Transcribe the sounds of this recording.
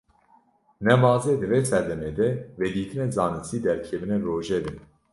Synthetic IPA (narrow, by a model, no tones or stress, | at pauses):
nɛmɑːzeːd̪ɨveːsɛd̪ɛmeːd̪ɛved̪iːt̪ʰɨnɛzɑːnɨsiːd̪ɛɾkʰɛvɨnɛroːʒeːd̪ɨn